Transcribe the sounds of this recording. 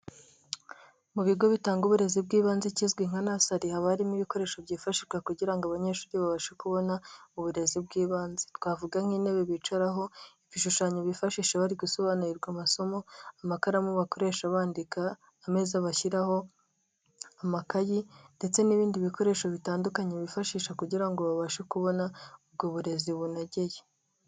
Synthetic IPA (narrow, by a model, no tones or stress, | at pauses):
muβiɡo̞βitaːŋɡuβuɾe̞zibɡiːβaːnzecizɡwiŋ̥anasaɾihaβaɾimiβiko̞ɾe̞ːʃobɟiːfaʃiʒɡwakuɟiɾaŋɡaβaɲe̞ʃuːɾiβaβaʃekuβo̞nauβuɾe̞zibɡiːβaːnze̥twaːvuɡaŋ̥hiːneβeβit͡ʃaɾaɦo̞iβiʃuʃaɲoβifaʃiʃeβaɾiɡuso̞βaːnuɾiɾɡwamaso̞mo̞amakaɾamuβako̞ɾe̞ːʃaβaːndikaː | me̞ːzaβaçiɾaho̞ | amakajinde̞t͡se̞niβiːndiβiko̞ɾe̞ːʃoβitaːndukaɲeβifaʃiːʃakuɟiɾaŋɡo̞βaβaʃekuβo̞naub̚ɡoβuɾe̞ziβunaɟe̞je